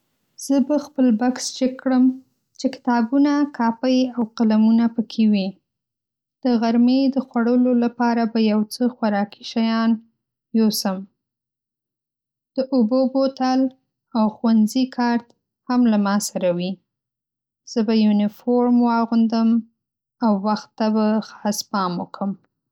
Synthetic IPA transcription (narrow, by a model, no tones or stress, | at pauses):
z̥əbaxpəlbaksd͡ʒəkːɽəm | t͡ʃekɪ̥t̪ɑbunakʰɑpəjawqalamunapəkʰewi | d̪̥əɣaɾmed̪əxwaɽəlolapɑɾabajawt͡səxwaɾɑki̥ʃajɑn | josəm | d̪̥əʔʊbobot̪al | awxwanzikʰɑɾt̪ | hamlamɑsaɾawi | z̥əbajunɪfoɾmwɑɣund̪əm | awːaxt̪ːabaxɑ̥spɑməkʰəm